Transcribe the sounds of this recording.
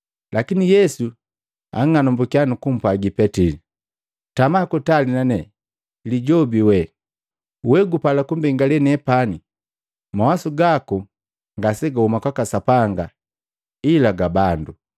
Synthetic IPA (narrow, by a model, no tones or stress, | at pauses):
lʔakinijɛsu | a̰ŋːanɔmbukianukum̩pwaɡipɛtili | tamakutalinanɛ | liɟɔbiwɛ | wɛɡupalakumbɛŋɡalɛnɛpani | mawasuɡaku | ŋɡasɛɡahumakwakasapaŋɡa | ilaɡabandu